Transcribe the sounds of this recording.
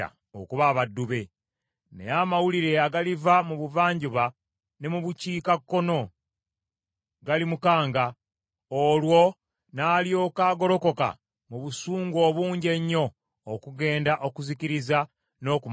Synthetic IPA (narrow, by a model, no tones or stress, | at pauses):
a̰ | o̰kuβaːβadːuβe̞ | nḛjamawuliɾe̞aɡalivamuβuvaːɲɟuβa | ne̞muβuciːkakːo̞no̞ | ɡalimukaːŋɡa | olwo̞ | naːljo̞ːkaːɡo̞ɾo̞ko̞ka̰ | muβusuːŋɡo̞ːβuːɲɟe̞ɲːo̞ː | kuɡe̞ːndaʔo̞kuziciɾiza | no̞ːkum